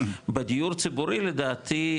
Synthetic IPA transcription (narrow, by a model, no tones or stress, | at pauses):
bed̪ijuɾt͡sibuɾiled̪aːt̪ʰi